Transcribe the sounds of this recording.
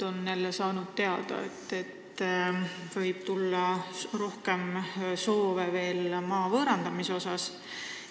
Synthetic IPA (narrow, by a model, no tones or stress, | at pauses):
o̞nːelːesɑːnud̪̥̚t̪e̞ɑd̪̥ɑ̰et̪ːˑe̞t̪ː | vɤjb̥t̪ulːɑro̞hke̞mso̞ːveve̞ːlmɑːvɤːɾɑnd̪̥ɑmiso̞sɑs